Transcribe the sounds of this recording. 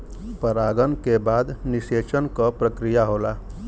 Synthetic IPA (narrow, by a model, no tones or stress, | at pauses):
pəɾaːɡənkebaːd̪nɪseːt͡ʃənkapɾəkɾijaɦoːlaː